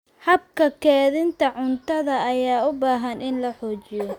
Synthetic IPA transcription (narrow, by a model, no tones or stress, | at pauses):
hɐb̚kʰɐkʰɛːðɪnt̪ʰɐʕʊnt̪ʰɐðɐːjaːʊbaːɦɐnɪnlɐħɔːt͡ʃɪjɔ